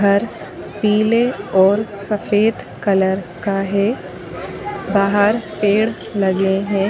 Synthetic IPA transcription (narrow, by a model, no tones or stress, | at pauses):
əɾ | piːleɔːɾsɐfeːd̪ | kɐləɾkaɦe | baːɦəɾpeːɽ | lɐɡeɦɛ̃ː